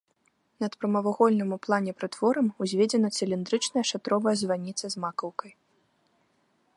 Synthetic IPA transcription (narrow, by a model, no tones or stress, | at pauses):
nɐt̪pɾɐmɐvaɣɔlʲnɨmuplˠanʲɛpɾɨt̪v̥ɔɾɐmuzʲvʲed͡zʲɛnɐt̪sɨlʲind̪ɾɨt͡ʂnɐjɐʂat̪ɾɔvɐjɐzvanʲit̪sɐzmakɐwkɐj